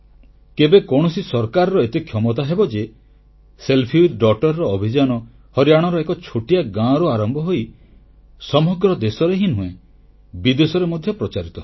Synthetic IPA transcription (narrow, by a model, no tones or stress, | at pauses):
kebekɔɽ̃ɔsisɔɾkaɾɔɾɔet̪ekʰjɔmɔt̪̬aɦebɔd͡ʒe | selpʰiud̪ɖɔk̚ʈɔɾːɔːbʱid͡ʒanɔ | hɔɾjaɽ̃ɔɾɔekɔt͡ʃʰoʈijaɡãɾɔaɾɔmbʱɔɦoj | sɔmɔɡɾɔd̪esɔɾeɦinɦũe | bid̪esɔɾemɔd̪ʱjɔpɾɔt͡ʃaɾit̪ɔ